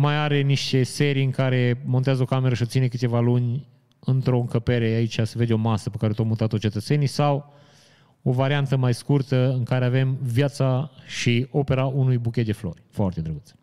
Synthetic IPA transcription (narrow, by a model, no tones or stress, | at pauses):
majaɾe̞niʃt̪e̞se̞ɾijɨŋkaɾe̞mo̞nt̪eazəo̞kameɾəʃiot̪sinekɨt̪evalunʲ | ɨnt̪ɾo̞ɨŋkəpe̞ɾe̞ait͡ʃʲasəve̞d̪ʲo̞masəpekaɾet̪omut̪at̪ot͡ʃe̞t̪ət̪se̞nisaw | o̞vaɾiant̪əmajskurt̪əɨŋkaɾe̞ave̞mvjat̪saʃio̞pe̞ɾaʔunujbukʲet̪d̪e̞flo̞̰rʲfoart̪ed̪ɾəɡut̪sə̥